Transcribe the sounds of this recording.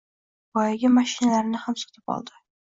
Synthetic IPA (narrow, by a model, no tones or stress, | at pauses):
b̥ɒjaɡʲɪmaʃɪnalaɾnɪhamsɨ̥qt̪ʰɪpɒ̰lˠd̪ɪ